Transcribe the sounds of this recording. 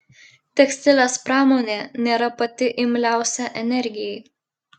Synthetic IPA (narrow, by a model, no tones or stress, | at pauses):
t̪ʲɛksʲt̪ʲɪlʲespɾɑːmoːnʲeːnʲeːɾɐpɐt̪ʲɪʔɪmʲlʲæˑʊsʲɛʔɛnʲɛɾʲɡʲɪjɛɪ